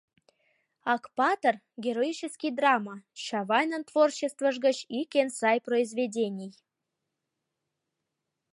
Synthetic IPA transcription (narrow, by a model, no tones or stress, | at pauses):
ɑkpɑt̪ər | ɡʲeɾoit͡ɕeskʲijd̪rɑmɑɕɑvɑjnənt̪vort͡ɕest̪və̆ʒɡə̆t͡ɕikʲensɑjproizvʲedʲenʲij